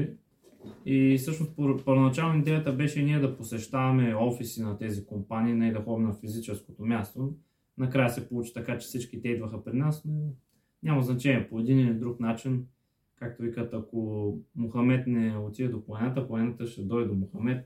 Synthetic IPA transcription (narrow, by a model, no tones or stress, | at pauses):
isɤʃnost̪opəɾvonɐt͡ʃalˠnid̪ɛjət̪əbɛʃɛiniɛd̪ɐposɛʃt̪avɐmɛɔfisinɐt̪ɛzikompaniːnaid̪ɐxɔbnɐfizit͡ʃɛskot̪omʲjast̪o | nɐkɾajəsɛpolˠut͡ʃi̥t̪ɐkat͡ʃɛ̥fsit͡ʃkit̪ɛid̪vəxəpɾinasno | ɲʲamɐznɐt͡ʃɛnʲiɛpoɛd̪iniɛid̪ɾuknat͡ʃin | kak̚t̪ovikət̪ɐkomʊxɐmɛt̪nɛot̪iəd̪opˠɐnat̪əvoɛnɐt̪əʃt̪ɛd̪ɔjd̪omʊxɐmɛt̪̚